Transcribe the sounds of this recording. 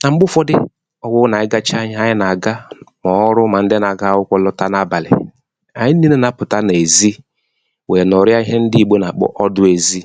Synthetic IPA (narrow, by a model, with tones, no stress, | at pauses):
na˨ŋ͡m̩˦ɓʊ˦fɔ˦dɪ˦ | ɔ˦wʊ˦na˨ɪ˦ɡa˦t͡ʃa˦ɲ˦a˨ɲɪ˦na˨ɡa˦mɔ˨˦ɾʊ˦ma˨n̩˦de˦na˨ɡa˦wʊ˦kʷɔ˦lɔ˦ta˦na˨ba˨lɪ̰˨ | a˨ɲi˦i˦ne˦na˨˦pʊ˨ta˦ne˨zi˦ | we˨n˨ɔ˨ɾɪ˦a˦i˦ɦe˦n̩˦dɪ˦i˨ɡ͡bo˦na˨k͡pɔ̰˦ʔɔ˦dʊ˦e˨zi˦